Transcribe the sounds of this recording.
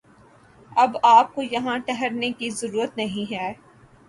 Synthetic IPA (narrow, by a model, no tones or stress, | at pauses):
ɐbaːp̚kojɐɦãʈɛɦəɾnekizɐɾuːɾət̪nɐɦĩɦɛː